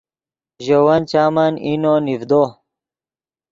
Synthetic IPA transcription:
ʑowɐnt͡ɕaːmɐninonifd̪o

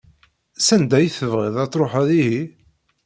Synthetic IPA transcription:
sænd̪æjθəvʁiðæt͡sːˤɾˤoħæðihi

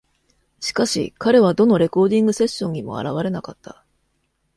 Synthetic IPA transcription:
ɕi̥kaɕḭkaɾe̞β̞ad̪o̞no̞ɾe̞ko̞ːd̪ĩŋɡɯ̟se̞ɕːõ̞ɲ̟imo̞̰a̰ɾaβaɾe̞nakat̪ʰːa

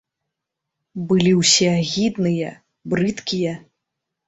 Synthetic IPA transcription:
bɨlʲiwsʲɛaɣʲid̪nɨjɐ̰ | bɾɨt̪kʲijɐ

